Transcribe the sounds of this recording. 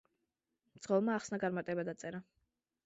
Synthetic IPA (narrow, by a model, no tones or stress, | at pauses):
d̪z̥ʁɔvmaːχsnaɡaɾmaɾt̪ʼɛbad̪at̪sʼɛɾa